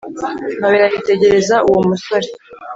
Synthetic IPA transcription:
naβiɾahite̞ɟe̞ɾe̞zaʔuwomusoɾi̥

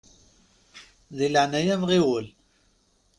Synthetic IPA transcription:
ðiləʕnæjæmʁiwəl

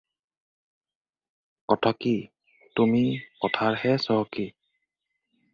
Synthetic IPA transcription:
kɔtʰaki | tumikɔtʰaɹhɛsɔɦɔki

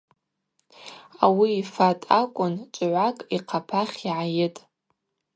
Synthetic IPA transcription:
awiːfatʼakʷʼʊnt͡ʃʷʼʕʷakʼiqʰapʰaχʲiʕajɪtʼ

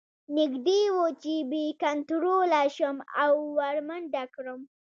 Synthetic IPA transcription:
nɪɡd̪ewot͡ʃebekant̪ɾolaʃəma̰wːaɽmanɖakɾəm

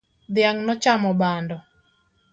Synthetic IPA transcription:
d̪ɪjaŋnɔt͡ʃamɔbandɔ

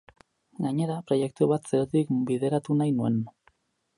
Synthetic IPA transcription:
ɡaɲe̞ɾapɾo̞je̞k̚t̪uβat̪seɾot̪ikbiðe̞ɾat̪unajnue̞n

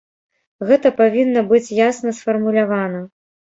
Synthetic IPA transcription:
ɣɛt̪ɐpavʲinːɐbɨt͡sʲjasnɐsfɐrmulʲavanɐ

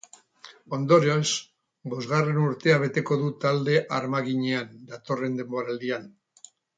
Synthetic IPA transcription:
o̞nd̪o̞ɾios | bo̞zɣare̞nuɾt̪e̞aβ̞e̞t̪e̞ko̞ðut̪ald̪e̞ʔaɾmaɣiɲe̞and̪at̪o̞re̞nd̪e̞mbo̞ɾald̪ian

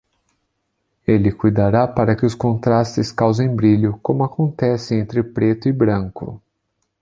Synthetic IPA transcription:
elɪkujd̪aɾapaɾɐkɪʊskõnt̪ɾast͡ʃɪskawzẽj̃bɾiʎʊkõmʊakõnt̪ɛsɪẽnt̪ɾɪpɾet̪ʊɪbɾɐ̃ŋkʊ̰

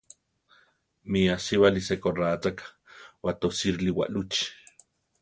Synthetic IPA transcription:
miasiβalisekorat͡sak | wat̪osiɾliwa̰ʔlut͡ʃ

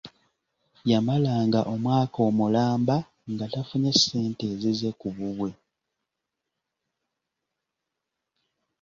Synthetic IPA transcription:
jamalaːŋɡaʔo̞mwaːko̞mulaːmba | ŋɡatafuɲese̞ːnte̞ːzize̞kuβuβwe̞

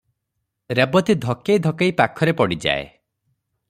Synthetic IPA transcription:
ɾebɔt̪id̪ʱɔkejd̪ʱɔkejpakʰɔɾepɔɽid͡ʒa̰ḛ

